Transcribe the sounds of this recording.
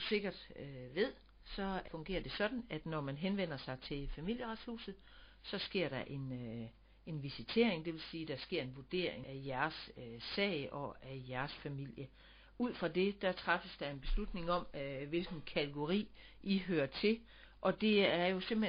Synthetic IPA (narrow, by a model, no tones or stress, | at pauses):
use̝ɡ̥ɐd̥ʋe̝ð̞̰ˠ | sɒ̽fɔ̽ŋɡ̥e̝̰ːɐd̥e̝sɒ̽d̥n̩æd̥nɒmænɦenʋen̰ɐsɑ̈ɪt͡sʰe̝fæmil̰jəʁɑd̥shṵːsð̩ˠ | sɒ̽sɡ̥e̝ɐ̰ɾ̥ɑ̈ʔe̝n | e̝nʋisit͡sʰe̝̰ɐ̰e̝ŋd̥e̝ʋe̝lsiːd̥ɑ̈sɡ̥e̝ɐ̰e̝nʋuɐd̥e̝̰ɐ̰eŋæjæɐsøsɛ̰ːɪʔɒ̽æjæɐsfæmil̰jə | uð̰ˠfʁɑ̈de̝d̥æt͡sʰʁɑfəsd̥ɑ̈e̝nb̥e̝slud̥ne̝ŋɒ̽mʋe̝lɡ̥n̩kʰæt͡sʰeɡ̥o̝ʁḭː | ʔiɦøːɐt͡sʰe̝ | ʔɒ̽d̥e̝æɐjo̝se̝m̰he